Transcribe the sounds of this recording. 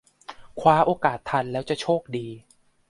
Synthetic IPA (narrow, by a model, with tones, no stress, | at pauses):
kʰwaː˦˥ʔoː˧kaː˨˩t̪ʰːa˧nlɛː˦˥wt͡ɕa˨˩t͡ɕʰoː˥˩k̚diː˧